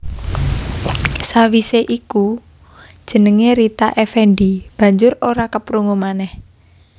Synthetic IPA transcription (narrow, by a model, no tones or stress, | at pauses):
sawiseʔiku | d̥ʒ̥ə̤nəŋeɾit̪aʔefɛnɖib̥ä̤ɲd͡ʒʊɾoɾakəpɾuŋomanɛh